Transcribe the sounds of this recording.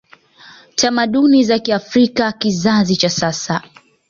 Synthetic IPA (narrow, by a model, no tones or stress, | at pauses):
tʰamaɗunizakiafɾikakizazit͡ʃasasa